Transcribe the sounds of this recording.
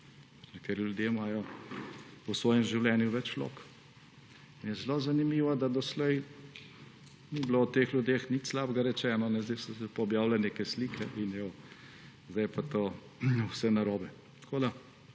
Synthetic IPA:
nɛk̚t̪eːɾiljud̪jemaːjɔ | ɔsʋɔːjɛmʒiwlɛnjuʋɛt͡ʃlo̰ːk | injɛzlozanimiːʋad̪ad̪ɔslɛj | niblowt̪eːxljud̪exnit̪slabɡaɾɛt͡ʃɛːnɔnɛzd̪ɛjsɔsɛpɔɔbjaːwlɛneːkɛsliːkʰɛʔinjɔ | zd̪ajpat̪oː | wsɛnaɾoːbɛ | t̪kʰoːd̪a

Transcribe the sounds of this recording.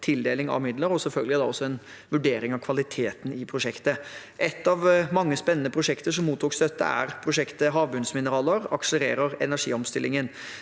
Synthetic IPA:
t̪ʰɪld̪eːlɪŋɑ̰ʋmɪd̪ləɾɔsɛlfœlɡəlɪd̪ɑɔsːɔɛn | ʋʉɖeːɾɪŋɑʋkʰʋɑlɪt̪ʰeːt̪n̩ɪpʰɾʊʂɛkt̪əʔɛt̪ːɑʋmɑŋːəspɛnːnəpʰɾʊʂɛkt̪əʂɔmːuːt̪ʰːuːkst̪œt̪ːə̰æ̰ɾpʰɾʊʂɛkt̪əɦɑːʋbʉnsmɪnəɾɑːləɾɑ̰kʂələɾeːɾəɾɛnæʂḭːɔmst̪ɪlʔɪŋən

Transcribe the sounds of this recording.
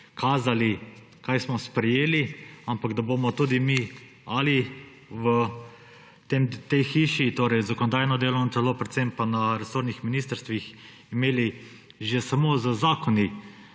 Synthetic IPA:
kʰaːzali | kajsmɔspɾɛjeːliampaɡd̪abomɔt̪uːd̪imi | ali | wə | t̪emt̪ejxiːʃit̪oːɾɛjzakɔnɔd̪aːjnɔd̪eːlonɔt̪ɛlopɾɛt̪sempanaɾɛsoːɾnixminiːst̪əɾst̪ʋix | imeːli | ʒɛsamozəzaːkɔni

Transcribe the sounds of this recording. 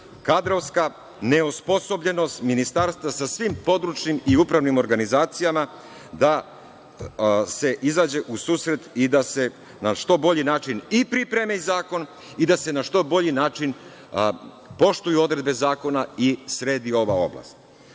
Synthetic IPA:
kad̪ɾo̞ʋska | ne̞ospo̞so̞bʎe̞no̞st̪minist̪aɾst̪ʋasasʋimpo̞d̪ɾut͡ʃnimiupɾaʋnimo̞ɾɡanizaːt̪sijama | d̪a | se̞ʔizaːd͡ʑe̞ʔusuːsɾe̞t̪id̪ase̞ | naʃt̪o̞bo̞ʎinaːt͡ʃinipɾipɾe̞mezaːko̞n | id̪ase̞naʃt̪o̞bo̞ʎinaːt͡ʃin | po̞ʃt̪ujuo̞d̪ɾe̞d̪be̞zaːko̞naisɾe̞ːd̪io̞ʋao̞̰bla̰st̪

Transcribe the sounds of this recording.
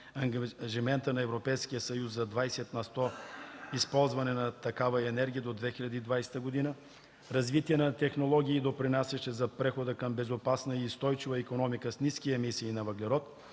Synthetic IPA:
ɐʒimɛnt̪ənɐɛvɾopɛjskijəsɐjusːɐd̪vajsɛt̪nɐst̪ɔispɔlˠzvɐnɛnɐt̪ɐkavɐɛnɛɾɡʲijəd̪od̪vɛxilʎʲɐd̪iːd̪vajsɛ̥t̪əɡod̪inə | ɾɐzvit̪iɛnɐt̪ɛxnolˠɔɡʲiːd̪opɾinasɛʃɛzɐpɾɛxod̪əkɐmbɛzopasnɐist̪ɔjt͡ʃivəikonɔmikəsniskiəɛmisiːnɐvɐɡlɛɾɔt̪

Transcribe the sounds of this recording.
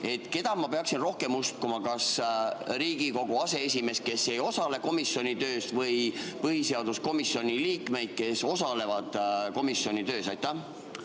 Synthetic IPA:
e̞t̪ːˑke̞d̪̥ɑmɑpe̞ɑksinro̞hke̞must̪kumɑkɑsɾiːɡ̥iko̞ɡ̥uɑse̞es̬ʲime̞s̚ke̞sːe̞jo̞sɑle̞ko̞misːjo̞nʲit̪ø̞ːst̪vɤjpɤɦise̞ɑd̪̥usko̞misːjo̞nʲiliːkme̞jd̪̥̚ke̞so̞sɑle̞vɑd̪̥ko̞misːjo̞nʲit̪ø̞ːsɑjt̪ːˑæh

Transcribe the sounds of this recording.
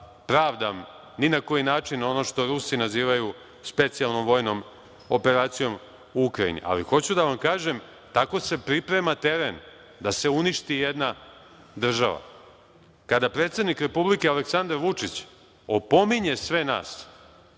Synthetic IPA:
pɾaːʋd̪am | ninako̞jinaːt͡ʃino̞no̞ʃt̪o̞ɾusinaziːʋaju | spe̞t̪sialˠno̞mʋo̞jno̞m | o̞pe̞ɾaːt̪sijo̞m | uukɾajḭnḭʔa̰lḭxo̞t͡ɕud̪aʋamkaːʒe̞m | t̪ako̞se̞pɾipɾe̞mat̪e̞ɾen | d̪ase̞uniʃt̪ijed̪na | d̪r̩ʒa̰ʋa̰ | kad̪apɾet̪sed̪nikɾe̞publike̞ale̞ksand̪aɾʋut͡ʂit͡ɕ | opo̞miɲe̞sʋe̞na̰ːs

